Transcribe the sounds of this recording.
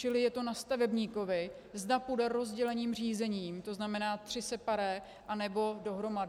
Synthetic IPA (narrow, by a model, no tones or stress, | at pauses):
t͡ʃɪlɪjɛt̪o̞nast̪avɛbɲiːko̞vɪ | zdapudɛɾo̞zɟɛlɛɲiːmr̝iːzɛɲiːmt̪o̞znamɛnaːt̪r̥ɪsɛpaɾɛ | ʔanɛbo̞do̞ɦɾo̞madɪ